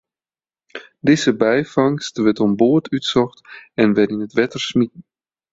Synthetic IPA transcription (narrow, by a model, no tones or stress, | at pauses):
dezəbɛjfɑŋstʋɛtɔmboətʰytsɔxtɛnʋɛtinətʋɛtərsmit̚ən̩